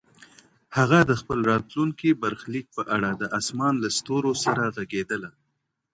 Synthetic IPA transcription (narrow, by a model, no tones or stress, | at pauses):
haɣad̪əxpəlɾɑt̪luŋkibaɾxlik̚pəʔaɽad̪əʔasmɑnlast̪oɾosaɾaɣaɡed̪əla